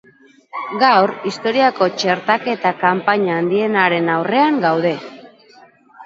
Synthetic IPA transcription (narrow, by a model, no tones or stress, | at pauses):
ɡawɾist̪o̞ɾiako̞t͡ʃe̞ɾt̪ake̞t̪akampaɲaːnd̪ie̞naɾe̞nawre̞aŋɡawðe̞